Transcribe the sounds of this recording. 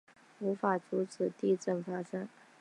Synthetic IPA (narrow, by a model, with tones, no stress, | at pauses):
u˧˥fa˨˩t͡su˧˥t͡sʰɹ̩˨˩t̪i˥˧ʈ͡ʂə˥˩nfa˥ʂɤ˥ŋ